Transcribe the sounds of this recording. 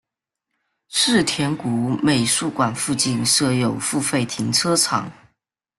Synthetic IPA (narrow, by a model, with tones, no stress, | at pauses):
ʂɻ̩˥˩t̪ʰjɛ˧˥nku˧˥me˨˩ɪʂu˥˩kwa˨˩nfu˥˧t͡ɕi˥˧nʂɤ˥˧jo˨˩ʊfu˥˧fe˥˩ɪt̪ʰi˧˥ŋʈ͡ʂʰɤ˥ʈ͡ʂʰɑ̰˨˩˦ŋ